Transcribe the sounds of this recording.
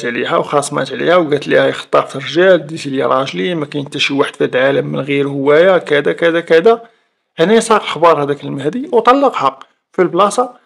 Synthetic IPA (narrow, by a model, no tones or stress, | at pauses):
t̪ʕliɦæwxɑsˤːmæ̰t̪ʕlḭhæwɡæt̪lihæjxt̪ˤːɑɾt̪əɾʒæld̪it̪iljḭɾˤɑʒlimækæjənt̪ːæʃiwaħəd̪fæd̪lʕaləmːənɣiɾhəwːæjakæd̪ækæd̪ækæd̪æ | hnisˤɑqlxbɑɾˤhæd̪ækəlmæhd̪iwt̪ˤɑlːəqhɑ | filblɑsˤɑ